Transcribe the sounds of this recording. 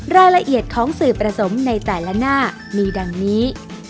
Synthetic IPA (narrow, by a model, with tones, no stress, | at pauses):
ɾaː˧jla˧ʔi˨˩ət̪̚kʰɔː˩˦ŋsɯː˨˩pːɾa˧so˩˦mna˧jt̪ɛː˨˩la˦˥naː˥˩ | miː˧da˧ŋniː˦˥